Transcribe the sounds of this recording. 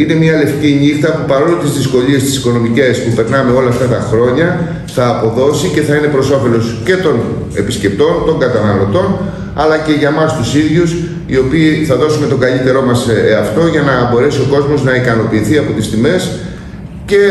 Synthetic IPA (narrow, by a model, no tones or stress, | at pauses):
ine̞mɲɐle̞fciɲixt̪ɐpupɐɾo̞let̪izðisko̞ʎie̞st̪i̥siko̞no̞mice̞spupe̞ɾnɐme̞o̞lɐːft̪ɐt̪ɐxɾo̞ɲɐ | θɐːpo̞ðo̞sice̞θɐine̞pɾo̞so̞fe̞lo̞sce̞t̪o̞n | e̞pisce̞p̚t̪o̞nt̪o̞ŋɡɐt̪ɐnɐlo̞t̪o̞n | ɐlɐce̞ʝɐmɐst̪usiðʝus | io̞piːθɐðo̞sume̞t̪o̞ɡɐʎit̪e̞ɾo̞mɐseɐft̪o̞ʝɐnɐbo̞ɾe̞sio̞ko̞zmo̞znɐikɐno̞piːθiɐpo̞t̪ist̪ime̞s | ce̞